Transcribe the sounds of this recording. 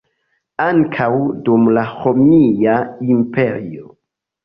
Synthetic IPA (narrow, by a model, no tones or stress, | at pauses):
aŋkʰawdumlahomijaimpe̞ɾio